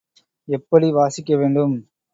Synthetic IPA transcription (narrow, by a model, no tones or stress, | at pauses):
ɛpːɐɽiʋaːsɪkːɐʋeːɳɖɯm